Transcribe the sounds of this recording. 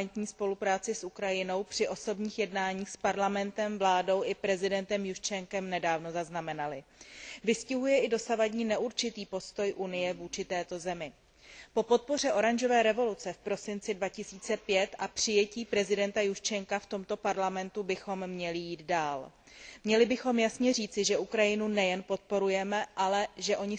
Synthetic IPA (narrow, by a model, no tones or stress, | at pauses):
nt̪ɲiːspo̞lupɾaːt͡sɪsʔukɾajɪno̞wpr̥ɪʔo̞so̞bɲiːxjɛdnaːɲiːxspaɾlamɛnt̪ɛmvlaːdo̞wʔɪpɾɛzɪdɛnt̪ɛmjuʃt͡ʃɛŋkɛmnɛdaːvno̞zaznamɛnalɪvɪscɪɦujɛʔɪdo̞savaɟɲiːnɛʔuɾt͡ʃɪt̪iːpo̞st̪o̞jʔunɪjɛvuːt͡ʃɪt̪ɛːt̪o̞zɛmɪ | popo̞t̪̚po̞r̝ɛʔo̞ɾanʒo̞vɛːɾɛvo̞lut͡sɛfpɾo̞sɪnt͡sɪdvacɪsiːt͡sɛpjɛt̪ʔapr̝̥ɪjɛciːpɾɛzɪdɛnt̪ajuʃt͡ʃɛŋkaft̪o̞mt̪o̞paɾlamɛnt̪ubɪxo̞mːɲɛlɪjiːd̪daːl | mɲɛlɪbɪxo̞mjasɲɛr̝iːt͡sɪʒɛʔukɾajɪnunɛjɛnpo̞t̪̚po̞ɾujɛmɛʔalɛʒɛʔo̞ɲɪ